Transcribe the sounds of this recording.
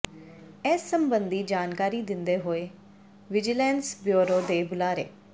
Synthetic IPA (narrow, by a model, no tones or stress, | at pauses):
ɛːsːəmbənd̪iːd͡ʒaːnkaːɾiːd̪ɪnd̪eːɦoːeː | ʋɪd͡ʒɪlɛːnsbjoːɾoːd̪eːbʊlaːɾḛː